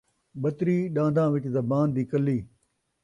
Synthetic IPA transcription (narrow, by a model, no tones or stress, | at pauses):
ɓɐt̪ɾiːɗãːnd̪ãːʋɪʈzɐbaːnd̪iːkɐlːiː